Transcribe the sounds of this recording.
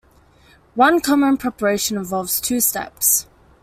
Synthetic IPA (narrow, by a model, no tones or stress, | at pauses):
wʌ̃nkʰɒmə̃npʰɹ̥ɛpəɹeɪʃə̃nɪ̃ɱvɔlˠvz̥tʰʉːstɛ̰ps